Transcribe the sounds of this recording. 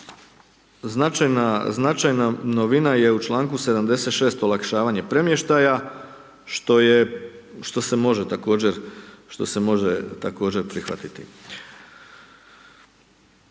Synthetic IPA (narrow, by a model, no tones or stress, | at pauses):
znat͡ʃajnaznat͡ʃajnanoʋinaje̞ut͡ʃlˠaːŋkuse̞d̪amd̪e̞se̞t̪ʃeːst̪olˠakʃaːʋaɲe̞pɾe̞mje̞ʃt̪aja | ʃt̪o̞jeʃt̪o̞se̞mo̞ʒet̪ako̞ːd͡ʑe̞ɾʃt̪o̞se̞mo̞ʒet̪ako̞ːd͡ʑe̞ɾpɾixʋa̰t̪it̪i